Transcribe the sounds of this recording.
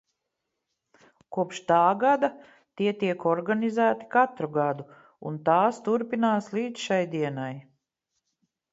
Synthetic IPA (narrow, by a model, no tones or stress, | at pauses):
kuɔpʃt̪aːɡad̪a | t̪iɛt̪iɛkɔɾɡanizæːt̪i̥kat̪ɾuɡad̪u | unt̪aːst̪uɾpinaːslˠiːd̪ʃajd̪iɛnaj